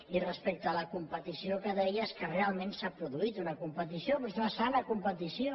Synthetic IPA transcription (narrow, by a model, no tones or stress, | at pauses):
irəspek̚t̪əːləkumpət̪isiokəðɛjəskərealˠmensapɾuðuit̪unəkumpət̪isiopoznəsanəkumpət̪isio